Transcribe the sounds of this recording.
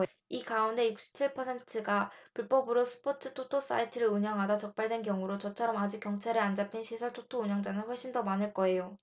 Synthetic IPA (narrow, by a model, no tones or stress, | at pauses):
ikaunde̞juk̚ɕ͈ʰi̥p̚t͡ɕʰiɭpʰʌsʰe̞ntʰɯɡapuɭp͈ʌbɯɾosʰɯ̥pʰot͡ɕʰɯtʰotʰos͈a̰itʰɯɾɯuɲʌŋɦadat͡ɕʌk̚p͈aɭdwe̞nkjʌŋuɾot͡ɕʌt͡ɕʰʌɾʌmad͡ʑikjʌŋt͡ɕʰaɾɯɭand͡ʑapʰinɕʰisʰʌɭtʰotʰouɲʌŋd͡ʑanɯnɸwʌɭɕ͈indʌmanɯɭk͈ʌe̞jo